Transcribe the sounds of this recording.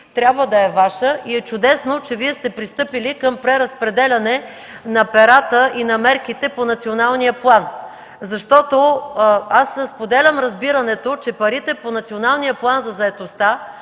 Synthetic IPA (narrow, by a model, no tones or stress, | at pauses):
t̪ɾʲjabvəd̪ɐɛvaʃəʔiɛt͡ʃʊd̪ɛsnot͡ʃɛviɛst̪ɛpɾist̪ɤpilikəmpɾɛɾɐspɾɛd̪ɛlʲɐnɛ | nɐpɛɾat̪əʔinɐmɛɾk̟it̪ɛponɐt̪sionalˠnijəplˠan | zɐʃt̪ɔt̪o | asspod̪ɛlʲɐmɾɐzbiɾɐnɛt̪ot͡ʃɛpɐɾit̪ɛponɐt̪sionalˠnijəplˠanzɐzɐɛt̪ost̪a